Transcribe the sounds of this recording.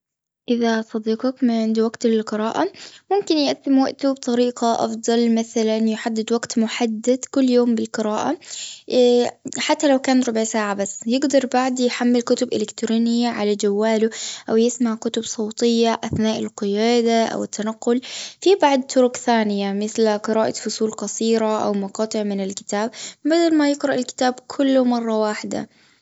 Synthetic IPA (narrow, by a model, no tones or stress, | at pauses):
ʔɪðasˤɑd̪iːqɑkmɪʕɪnd̪iwaɡt̪lɪlqɨɾaːʔamʊmkɪnjɪʔasɪmwaʔt̪ubt̪ˤɑɾiːqɑʔɑ̰fd̪ˤɑlmaθalanjɪħad̪ːɪd̪waɡt̪mʊħad̪ːad̪kʊlːjoːmbɪlqɨɾaːʔa | ħat̪ːalawkaːnɾˤʊbʕsaːʕabasːjɪɡd̪ɑɾˤbaʕd̪jħamːɪlkʊt̪ʊbʔɪlɪkt̪ɾuːnɪjːaʕalad͡ʒawːaːlʊʔawjɪsmaʕkʊt̪ʊbsˤoːt̪ˤɪjːaʔaθnaːʔɪlqɪjaːd̪aʔa̰wɪt̪ːanaqːʊlfibaʕd̪̚t̪ʰʊɾʊkθaːnɪjamɪθlaqɨɾaːʔafʊsˤuːlqɑsˤiːɾaʔa̰wmɑqɑːt̪ˤɨʕmɪnɪlkɪ̥t̪aːbbad̪almajɪɡɾɑʔɪlkɪ̥t̪aːbkʰʊlːʊmɑrˤːɑwaːħɪd̪a̰